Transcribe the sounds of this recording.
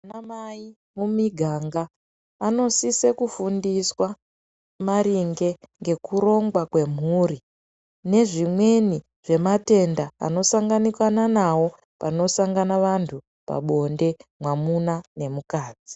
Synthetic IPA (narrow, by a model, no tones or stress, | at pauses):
anamai | mumiɡʱaːŋɡaː | no̞sisekufundiswa | maɾiŋɡe̞ŋɡe̞kuɾo̞ŋɡwakwe̞m̤uːri | ne̞ʐimwe̞ni | ʐ̥e̞mate̞nda̰ːno̞saŋɡanikwananawo̞ | pa̰no̞saŋɡanaʋantʰu | pa̰ɓo̞nde̞mwamunane̞mukaːd͡zi